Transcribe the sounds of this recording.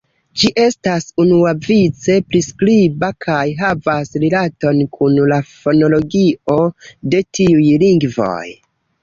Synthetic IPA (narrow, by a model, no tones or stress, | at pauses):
d͡ʒiʔe̞stasunuavit͡se̞pɾiskɾibakʰajɦavasɾilato̞nkʰunlafo̞no̞lo̞ɡio̞de̞tʰiujliŋɡvo̰j